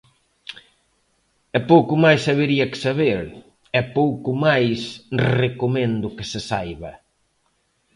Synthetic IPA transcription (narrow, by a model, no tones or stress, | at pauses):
ɛpowkʊmajsaβeɾiɐkɪ̥saβeɾ | ɛpowkʊmajsrekomẽnd̪ʊkɪsɪsajβɐ